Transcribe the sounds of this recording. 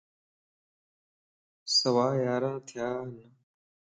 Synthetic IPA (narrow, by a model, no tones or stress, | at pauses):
sɐʋaːjaːɾə̃ːt̪ʰjaːnə